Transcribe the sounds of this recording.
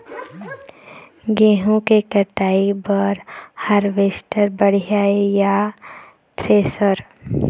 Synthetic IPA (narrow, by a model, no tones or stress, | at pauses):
ɡeːɦũkekəʈaːibəɾhaɾʋeːsʈəɾbəɽ̤jaːeja | t̪ɾeːsəɾ